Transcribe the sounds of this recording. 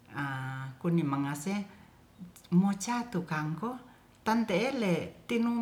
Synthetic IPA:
akunimaŋase | mot͡ʃat̪ukaŋko | t̪ant̪eːlet̪inuŋ

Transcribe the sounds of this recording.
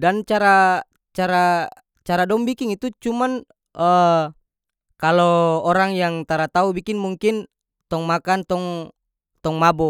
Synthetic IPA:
dant͡ʃaɾa | t͡ʃaɾa | t͡ʃaɾadɔmbikiŋit̪ut͡ʃuman | ə | kalɔːɾaŋjaŋt̪aɾat̪aubikinmuŋkin | t̪ɔŋmakant̪ɔŋ | t̪ɔŋmabɔ

